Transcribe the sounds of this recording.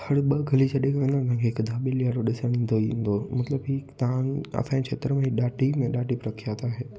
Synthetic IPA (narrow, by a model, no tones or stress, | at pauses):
hɐɽɓɐɡʱɐlit͡ɕʰɐɗekɐ̃nd̪añt̪ãːŋkʰeɪkd̪ʱaːɓilijaːɾoɗɪsəɽ̃ĩːn̆d̪oĩn̆d̪omɐt̪ləbɦit̪ãɐ̰sãːĩt͡ʃʰeːt̪əɾmẽiɗaːʈimẽɗaːʈipɾɐkʰijat̪aːɦeː